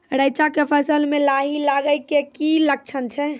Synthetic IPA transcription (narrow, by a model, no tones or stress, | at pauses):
əɽəjt͡ʃakepʰəsəlmelaɦilaɡəjkekilək̚t͡ʃʰənt͡ʃʰɛ